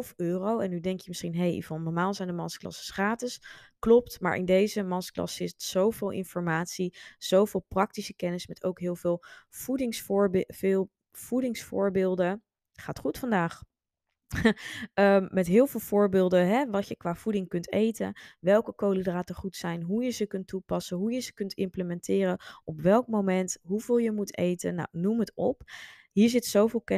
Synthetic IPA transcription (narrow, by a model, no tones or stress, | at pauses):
føːrowɛnːydɛŋkjəməsχinɦejḭvɔlˠnɔɹmaːlˠzɛjndəmɑnsklɑ̰sə̥sχraːtɪsklɔp̚tma̰ːɹʔɪ̰ndejzəmɑnsklɑ̰sɪstz̥owvɪːlˠʔɪ̰nfɔɹmaːtsiz̥owvɪːlˠprɑk̚tisəkɛnəsmɛtowkɦɪːlˠvɪːlˠv̥udɪŋsfɹvɪːlˠ | v̥udɪŋsfʊ̰ːɹbɪːlˠdən | χaːtχutfɑndaːχ | əmɛtɦɪːlˠvɪːlˠv̥ʊːɹbɪːlˠdəɦɛʋɑtjəkʋaːv̥udɪŋkɵntḛjtə̰ʋɛlˠkəkowlidraːtəχutsɛjnɦujəzəkɵntːupɑsəɦujəzəkɵntɪ̰mpləmɛntɪːrəɔpʋɛlˠkmomɛntɦuv̥ɪːlˠjəmutḛjtə̰na̰wnumɦətɔp | ɦiːɹzɪtsowvɪːlˠkɛ